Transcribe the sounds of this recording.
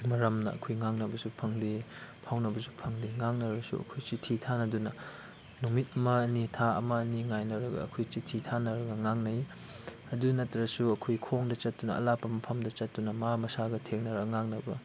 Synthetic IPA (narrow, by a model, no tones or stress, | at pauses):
mɐɾɐmnɐɐ̰kʰojŋaŋnɐbɐsupʰɐŋdepʰawnɐbɐsu̥pʰɐŋdeŋaŋnɐɾɐsṵɐ̰kʰojt͡ʃitʰitʰanɐdunɐ | numit̚ɐmɐɐnitʰaɐ̰mɐːniŋajnɐɾɐɡɐ̰ɐkʰojt͡ʃitʰːitʰanɐɾɐɡɐŋaŋnɐj | ɐdunɐtːɾɐsuɐkʰojkʰoŋdɐt͡ʃɐt̚ːunɐɐ̰lapːɐmɐpʰɐmdɐt͡ʃɐt̚ːunɐmamɐsaɡɐtʰeŋnɐɾɐɡŋaŋnɐbɐ